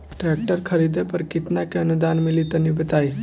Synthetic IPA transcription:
ʈɾek̚ʈəɾkʰəɾid̪epəɾkɪt̪nakeənud̪aːnmɪlit̪ənibət̪aːi

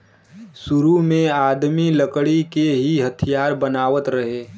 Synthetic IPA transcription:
sʊɾumẽaːd̪miləkɽikeɦiɦɐt̪ʰijaːɾbənaːʋət̪ɾəɦeː

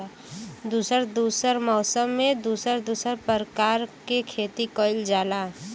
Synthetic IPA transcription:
d̪uːsəɾd̪uːsəɾmɔːsəmːẽd̪uːsəɾd̪uːsəɾpəɾkaːɾkekʰeːt̪ikɔːɪld͡ʒaːlaː

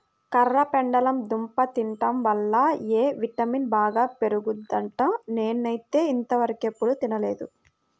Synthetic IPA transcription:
kɐɾːɐpɛɳɖɐlɐmd̪umpɐt̪iɳʈɐmʋɐlːɐeːʋiʈɐminbaːɡaːpe̞ɾuɡud̪ːɐɳʈɐneːnːɐjt̪e̞ːint̪ɐʋɐɾɐkepːuɽut̪inɐle̞ːd̪ṵ

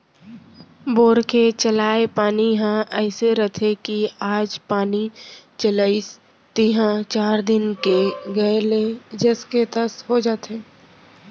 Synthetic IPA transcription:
boːɾket͡ʃəlaːepaːniɦãʔɛːseɾət̪ʰekiaːd͡ʒpaːnit͡ʃəlais | t̪iɦãt͡ʃaːɾd̪ɪnkeɡɐeled͡ʒɛsket̪əsɦod͡ʒaːt̪eː

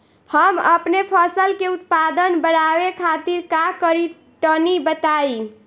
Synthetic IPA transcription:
həmə̰pnepʰəsəlkeut̪pad̪ənbəɽabekʰat̪iɾkakəɾi | ʈənibət̪ai

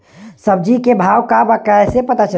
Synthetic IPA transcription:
səb̚d͡ʒikebʱawkabakəjsepət̪at͡ʃə

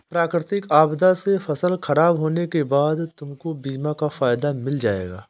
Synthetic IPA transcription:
pɾaːkɾɪt̪ɪkaːbd̪asefɐsəlxɐɾaːbɦoːnekebaːd̪t̪ʊmkobiːmãkafaːjd̪amɪld͡ʒaːḛːɡa̰ː

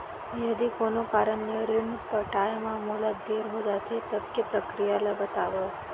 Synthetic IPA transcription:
jəd̪ikonokaɾəɳnəɾɪɳpəʈajmãmulad̪eɾɦod͡ʒat̪ʰet̪əb̚kepɾəkɾijalabət̪aʋo

